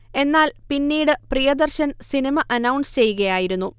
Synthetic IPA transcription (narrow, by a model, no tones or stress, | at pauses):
e̞nːaːlpinːiːɽɨprijɐd̪ɐrɕɐnsinimɐʔɐnɐwɳst͡ɕe̞jːuɣɐjaːjiɾunːu